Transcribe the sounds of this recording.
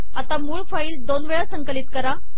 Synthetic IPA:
at̪amuːɭfaiːld̪onʋeɭasəŋkəlit̪̚kəɾa

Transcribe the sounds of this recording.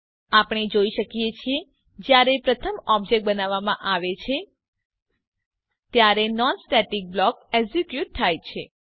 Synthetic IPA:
apɳ̃ed͡ʒoiʃəkijet͡ʃʰie | d͡ʒjaɾepɾət̪ʰəmɔbd͡ʒek̚ʈ̚bənaʋːamã̰ʔaʋet͡ʃʰe | t̪jaɾenɔnsʈɛʈik̚blɔkeɡsikjuʈ̚t̪ʰajt͡ʃʰe

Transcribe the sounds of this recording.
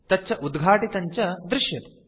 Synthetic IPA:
t̪ɐt͡ʃɐʔud̪ɡʱaːʈit̪ɐɲt͡ɕɐd̪ɾɪʂjɐt̪

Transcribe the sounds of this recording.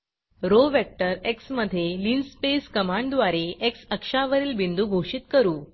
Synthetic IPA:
ɾoʋæk̚ʈəɾeksməd̪ʱːjeliːnspeskəmaɳɖd̪ʋaɾeʔeksəkʂaʋəɾiːlbind̪uːɡʱoʂit̪kəɾuː

